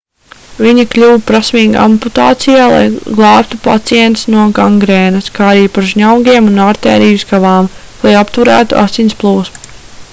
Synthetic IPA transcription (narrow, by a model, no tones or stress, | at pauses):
viɲiklʲuwpɾasmiːɡaa̰mput̪aːt̪sijaːlˠa̰jɡlˠɑːpt̪upa̰t̪sijɛnt̪snuɔɡaŋɡɾeːnɐskaːaɾiːpaɾʒɲawɡʲiɛmunaɾt̪ɛ̰ːɾiːjuskavaːm | lˠajapt̪uɾæːt̪ṵʔa̰sinʲsplˠuːsmu